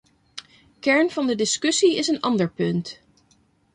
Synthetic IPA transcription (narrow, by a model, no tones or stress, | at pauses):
kɛɹnv̥ɑndədɪskɵsiɪsənɑ̰ndəɹpɵnt